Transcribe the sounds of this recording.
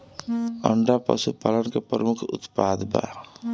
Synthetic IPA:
ə̰ɳɖapə̰supaːlənkepɾəmʊkʰʊ̰t̪pad̪ba̰

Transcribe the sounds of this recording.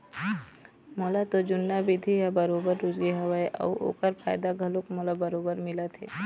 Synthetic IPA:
molat̪od͡ʒʊnːabɪd̪ʱiɦabɐɾoːbəɾːʊd͡ʒɡeɦɐwaeʔɐ̰ʔo̰ːkəɾpʰaːjd̪aɡʱɐlõkmolabɐɾoːbəɾmɪlat̪ʰḛː

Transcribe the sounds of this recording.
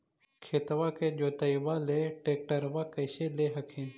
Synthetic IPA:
kʰeːt̪ʋaːked͡ʒoːt̪ɐiwaːleːʈeːk̚ʈəɾʋakɐjɕeleːɦɐkʰĩːn

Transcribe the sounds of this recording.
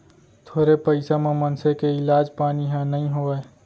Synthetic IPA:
t̪ʰoːɾepəɪsamẽmənsekeɪlaːd͡ʒpaːniɦãnəɦĩɦoe

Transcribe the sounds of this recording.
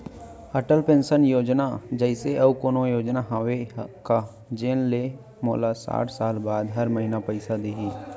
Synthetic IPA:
əʈəlpẽːnʃənjoːd͡ʒnad͡ʒəɪseʔɐbkoːnojoːd͡ʒnaɦaːweka | d͡ʒeːnle | moːlasa̰ːʈʰsaːlbaːd̪ɦɐɾməɦinapəɪsad̪iɦiː

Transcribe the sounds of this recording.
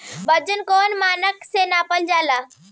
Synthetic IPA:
bəd͡ʒənkoːnmaːnəksenapəld͡ʒaːla

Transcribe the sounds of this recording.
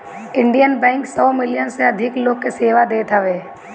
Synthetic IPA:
ɪ̃ɳɖijənbɛ̃ːŋksɔːmɪlɪjənseɐd̪ʱɪkloːɡ̚keseːʋad̪eːt̪aʋeː

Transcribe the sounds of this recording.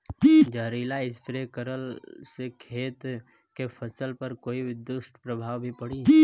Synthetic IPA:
d͡ʒəɦɾiːlaɪspʰɾekəɾəlsekʰeːt̪ | kepʰəsəlpəɾkoːibd̪ʊsʈpɾəbʱaːwbʱipəɽiː

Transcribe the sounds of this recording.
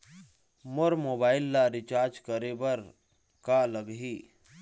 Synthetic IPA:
moɾmoːbaːɪlːaɾit͡ʃaːɾd͡ʒkəɾebəɾ | kaləɡɦiː

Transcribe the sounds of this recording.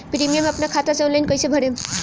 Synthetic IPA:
pɾimijameɐpnakʰat̪aseɔnlajnkʌjsebʱəɽem

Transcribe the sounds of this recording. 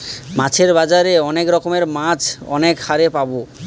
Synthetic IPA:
mãt͡ɕʰeɾbad͡ʑaɾeɔnekɾɔkomeɾmãt͡ɕʰɔ̰nekhaɾepabo

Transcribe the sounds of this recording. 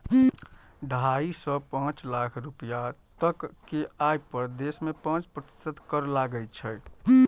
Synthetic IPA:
ɖʱaisɔpãt͡ʃlakʰɾupijat̪əkːeajpəɾd̪esmepãt͡ʃpɾət̪i̥səd̪kəɾlaɡət͡ʃʰɛ

